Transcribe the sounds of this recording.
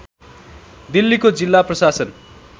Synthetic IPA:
d̪ilːikod͡zilːaprʌsasʌn

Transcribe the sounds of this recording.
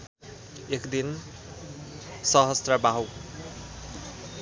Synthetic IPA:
ekd̪in | sʌɦʌst̪rʌbaɦw

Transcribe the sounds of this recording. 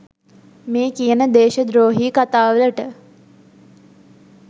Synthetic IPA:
meːkijənəd̪eːʃəd̪ɾoːɦiːkat̪aːʋələʈə

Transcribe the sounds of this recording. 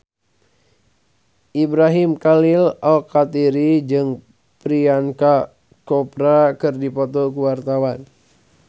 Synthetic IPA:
ʔibɾaɦimkalɪlalkat̪iɾid͡ʒɨŋ | pɾianka | kɔpɾakɨrdipɔt̪ɔkuwart̪awan

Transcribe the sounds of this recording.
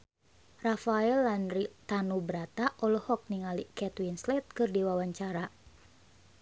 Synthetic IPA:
rafaɛlːanrit̪anubəɾat̪aʔɔlɔhɔk̚niŋalikɛt̪winslɛt̪̚kɨrdiwawaɲt͡ʃaɾa

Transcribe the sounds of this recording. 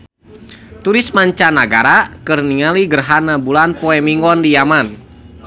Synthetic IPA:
t̪uɾɪsmaɲt͡ʃanaɡa̰ɾakɨrniŋaliɡərɦanabulanpɔɛmiŋɡɔndijaman

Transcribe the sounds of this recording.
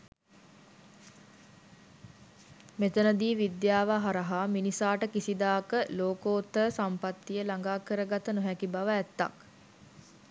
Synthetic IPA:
met̪ənəd̪iːʋid̪jaːʋaɦaɾəɦaminisaːʈəkisid̪aːkəloːkoːt̪ːəsampat̪ːijəlaŋɡaːkəɾəɡat̪ənoɦɛkibaʋəæt̪ːa̰k

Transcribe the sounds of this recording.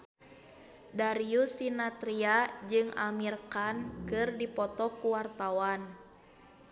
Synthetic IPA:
daɾiusinat̪ɾiad͡ʒɨŋa̰mirkankɨrdipɔt̪ɔkuwart̪awan

